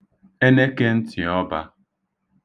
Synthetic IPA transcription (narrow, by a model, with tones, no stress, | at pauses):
e˦ne˦ke˦n̩˦tʰi˨ɔ˦ba̰˦